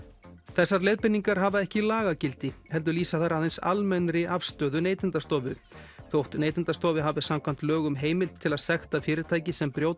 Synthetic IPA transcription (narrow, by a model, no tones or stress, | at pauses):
θɛsːaɾlejðpɪnːiŋkaɾ̥ɦavaɛhcɪlaːɣacɪlt̪ɪhɛlt̪̬ʏɾliːsaθaɾaðejnsa̰lmɛnɾɪʔafst̪œːðʏneːjt̪ɪnt̪ast̪ɔːvʏ | θowht̪neːjt̪ɪnt̪ast̪ɔːvɪɦavɪsamkʰvam̥t̪lœːɣʏmɦeːjmɪlt̪ʰːɪlaðsɛxt̪afɪːɾɪɾt̪ʰaːjcɪsɛmpɾjoːwt̪